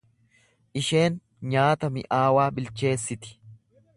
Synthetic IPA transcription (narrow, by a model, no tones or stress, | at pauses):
ʔɪʃe̞ːn | ɲaːt̪ɐmɪ̰ʔaːwaːbɪlt͡ʃe̞ːsːɪt̪ɪ̥